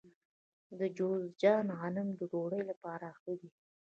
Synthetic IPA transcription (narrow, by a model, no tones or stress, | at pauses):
d̪əd͡ʒozd͡ʒɑnɣɑlɪmd̪əɾoɽəjlapɑɾaːxəd̪i